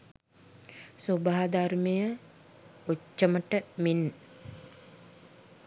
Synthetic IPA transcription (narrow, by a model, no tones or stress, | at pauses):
sobaɦad̪armejə | ut͡ʃːəməʈəmin